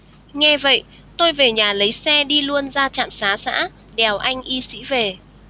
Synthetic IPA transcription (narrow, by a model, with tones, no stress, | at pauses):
ŋɛ˧və̰˧˨j | t̪o˧jve˨˩ɲaː˨˩lə˨˦jsɛ˧ɗi˧lu˧ənzaː˧t͡ɕa̰ː˧˨msaː˨˦sa̰ː˧˥ | ɗɛ˨˩wʔa˧jŋ̟ʔi˧sḭ˧˥ve˨˩